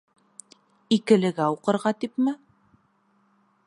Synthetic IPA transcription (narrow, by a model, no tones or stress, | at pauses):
ikɘ̆lɘ̆ɡæuqɤ̆ɾʁɑt̪ipmɘ